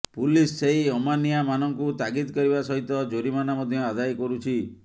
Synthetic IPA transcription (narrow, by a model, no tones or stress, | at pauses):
pulisːeɦiɔmanijamanɔŋkut̪aɡid̪kɔɾiβasɔɦit̪ɔd͡ʒoɾimanamɔd̪ʱjɔad̪ajkɔɾut͡ʃʰi